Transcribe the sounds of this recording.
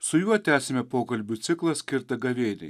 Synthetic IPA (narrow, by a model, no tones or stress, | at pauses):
sʊjuɔt̪ʲæːsʲɪmʲɛpoːkɐlʲbʲʊt̪sʲɪklˠɐsʲkʲɪɾt̪ɐɡɐʋʲeːnʲɛ̰ɪ